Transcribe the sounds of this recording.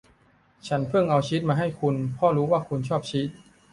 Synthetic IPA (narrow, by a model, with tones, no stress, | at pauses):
t͡ɕʰa˦˥npʰɯ˥˩ŋʔa˧wt͡ɕʰi˦˥t̪̚maː˧ɦa˥˩jkʰu˧npʰɔ˦˥˩ɾuː˦˥waː˥˩kʰu˧nt͡ɕʰɔː˥˩p̚t͡ɕʰi˦˥t̪̚